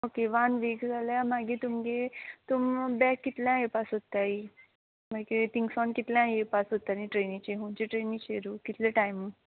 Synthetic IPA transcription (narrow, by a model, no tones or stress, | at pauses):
okeʋanʋekd͡zʱaljamaɡit̪umɡet̪umbɛkːit̪ljãjepasɦot̪ai | maket̪iŋɡsɔnkit̪ljãjepasɦot̪anĩʈɾenĩt͡ɕeɦunt͡ɕeʈɾenĩt͡ɕeɾuːkit̪leʈajmu